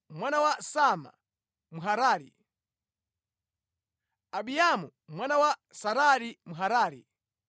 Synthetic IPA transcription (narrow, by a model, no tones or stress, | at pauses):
mwanawasama̰ | muɦaɾaːɾḭ | aɓiamu | mwanawasaɾaɾimuɦaɾaːɾḭ